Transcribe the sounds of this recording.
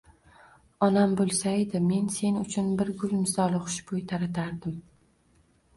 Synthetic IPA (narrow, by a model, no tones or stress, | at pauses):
ɒnambolˠsaed̪ɪme̞nse̞nʊt͡ʃʰʊnbɪɾɡʊlˠmɪsɒlˠɪχʊ̥ʃbʰojt̪ʰaɾat̪ʰaɾd̪ɪm